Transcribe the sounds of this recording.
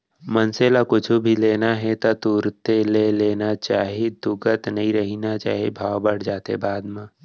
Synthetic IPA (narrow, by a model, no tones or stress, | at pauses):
mənselakʊt͡ʃʰubʱileːnaɦɛt̪ɔt̪uːɾt̪eleleːnat͡ʃaːɦid̪ʊɡət̪nəɦĩɾəɦinat͡ʃa̰ːɦibʱaːwbəɽ̤d͡ʒaːt̪ḛbaːd̪mã